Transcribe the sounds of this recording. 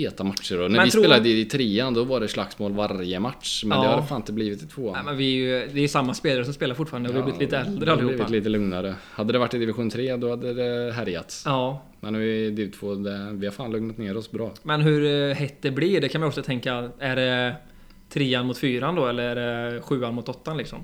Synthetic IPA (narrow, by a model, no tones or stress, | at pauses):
heːt̪amat̪ʂəɾɔnæɾvɪseːlad̪ɪɪt̪ʰɾeːad̪ɔvaɖɛslaksmoːlvaɾjəmat̪ʂmɛnɛhaɾfaːnɪnt̪əbliːvɪt̪ːɪt̪ʰvoːmɛnvɪjd̪ɛɾjəsamːaspeːlaɾəs̬ɔmspeːlaɾfʊʈːfɑːɾand̪əhɔvɪjb̪ɪt̪iːt̪əɛld̪ɾəalɪhuːliːt̪əlɵŋnaɾəhad̪ːəd̪ɛvaʈːɪd̪ɪvɪɧuːnt̪ʰɾeːad̪ɔhad̪ːəd̪ɛɦæɾja̰t̪sɑː | mʔɛ̰nɔvɪd̪ɪt̪ʰv̥oːd̪ɛvɪhaɾfaːnlɵŋnat̪neːɾɔsbɾɑːmɛnɦɵɾhɛt̪ːd̪ɛblɪɖɛkʰanmɪjɔksɔt̪ʰɛŋkaæɖɛ | t̪ʰɾeːanmʊt̪fyːɾand̪ɔɛlːəɾæɖɛɧʉ̟ːanmʊt̪ɔt̪ːanlɪksɔ̰m